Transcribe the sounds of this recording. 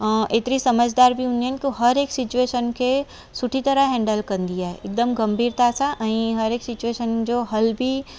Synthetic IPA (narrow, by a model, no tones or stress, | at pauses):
eːt̪ɾisɐməd͡ʒd̪aːɾbʱiʊnenkoɦɐɾeːksɪt͡ʃueːʃənke | sʊʈʰit̪ɐɾaɦɛ̃ːɳɖəlkɐɾnd̪ijaɦɛek̚d̪əmɡɐmbʱiːɾt̪asaʔɐ̃ĩɦɐɾeːksɪt͡ʃueːʃənd͡ʒoɦɐlbʱi